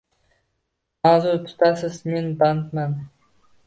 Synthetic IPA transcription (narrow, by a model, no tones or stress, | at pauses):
azut̪ʰʊ̥t̪ʰasɪzme̞nbant̪man